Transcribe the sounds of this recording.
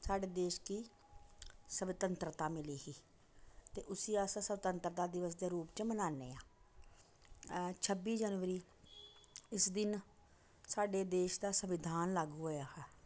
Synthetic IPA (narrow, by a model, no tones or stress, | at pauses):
saːɖeːd̪eːʃkiː | səbɪt̪ənt̪ɾət̪aːmɪliːhiː | t̪eːʔʊsiːaːsaːsəʋt̪ənt̪ɾət̪aːd̪ɪʋəs̬d̪eːɾuːpt͡ʃəmənaːnḛːaː | t͡ʃʰəbiːd͡ʒənʋəɾiː | ɪsd̪ɪn | saːɖeːd̪eːʃd̪aːsəʋɪd̪ʱaːnlaːɡɦoːjaːhɛː